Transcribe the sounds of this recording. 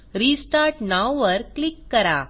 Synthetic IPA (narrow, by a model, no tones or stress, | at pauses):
ɾisʈaɾʈnawʋəɾklikːəɾa̰